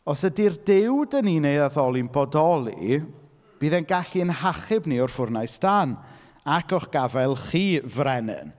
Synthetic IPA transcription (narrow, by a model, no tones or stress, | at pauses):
ɔsədirdɪwdəniːnejðaðɔlˠinbɔdɔlˠḭ | b̥iːðɛnɡaɬiənhaχɪbniɔrfʊrnajsd̥an | akʰɔχɡ̥avɛlˠχiːvrɛnɨ̰n